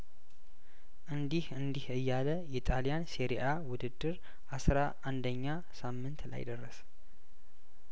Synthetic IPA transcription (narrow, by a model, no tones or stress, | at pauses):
ʔɨnd̪ihɨnd̪ihɨjːaləjɛt̪ʼalijansiɾiʔawʊd̪ɨd̪ːɨɾ | ʔasɾaʔand̪əɲːa | samːɨnt̪la̰jd̪ərːəs